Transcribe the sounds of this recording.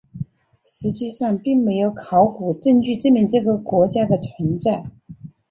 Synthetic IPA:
ʂɻ̩˧˥t͡ɕi˥˧ʂɑ˥˧ŋpi˥˩ŋme˧˥ɪjo˧˥ʊkʰɑ˧˥ʊku˨˩ʈ͡ʂə˥˧ŋt͡ɕy˥˧ʈ͡ʂɤ˥˧mjɛ˥˩nʈ͡ʂɤ˥˩ɡə˩kwɔ˧˥t͡ɕja˥d̪ə˨t͡sʰwə˧˥nt͡sa˥˩ɪ

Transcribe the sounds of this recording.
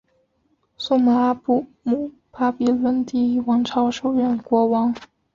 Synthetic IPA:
su˥ma˧˩a˥pu˥˩ | mu˨˩ | pʰa˥pi˧˥lwə˧˥nt̪i˥˩i˥˩wɑ˧˥ŋʈ͡ʂʰɑ˧˥ʊʂo˨˩ʊɻə˥˩nkwɔ˧˥wɑ˧˥ŋ

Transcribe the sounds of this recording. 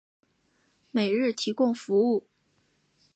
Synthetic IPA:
me˨˩ɪɻɻ̩˥˩t̪ʰi˧˥kʊ˥˩ŋfu˧˥u˥˩

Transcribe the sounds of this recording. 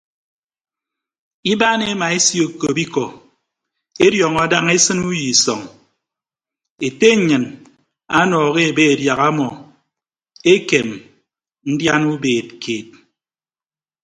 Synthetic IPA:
i˦ba˦ne˦ma˨e˦si˦o˨ko˨bi˦kɔ˨ | e˦djɔ˨ŋɔ˦da˦ŋe˦sɨ˦nu˦ji˨sɔ˨ŋ | e˨te˦˨ɲɨ˨n | a˦nɔː˨ɣe˦e˨be˦e˨dja˨ɣa˦mɔ˨ | e˦ke˨m | n̩˦dja˦nu˦beː˨t̚kʰeː˨t̚

